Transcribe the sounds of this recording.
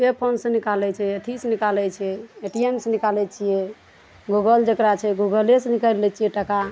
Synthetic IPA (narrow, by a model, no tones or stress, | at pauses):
epʰonsə̃nikalɛt͡ʃʰɛeʈ̪ʰisnikalɛt͡ʃʰɛeʈiemsənikalɛt͡ʃʰijɛ | ɡuɡəld͡ʒekɾat͡ʃʰɛɡuɡəljesənikəlɛt͡ʃʰijɛʈəka